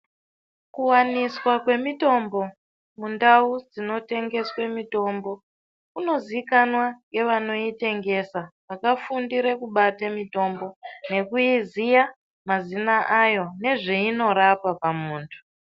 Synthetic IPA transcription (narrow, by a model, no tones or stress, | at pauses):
kuwaniswakwe̞mito̞mbo̞ | mundaud͡zino̞te̞ŋɡe̞swe̞mito̞mbo̞ | kuno̞ziikanwaŋɡe̞ʋano̞ite̞ŋɡe̞saʋakafundiɾekuɓatamito̞mbo̞ne̞kuizija | mazinaʔajo̞ne̞ʐiino̞ɾapapamuːntʰu̥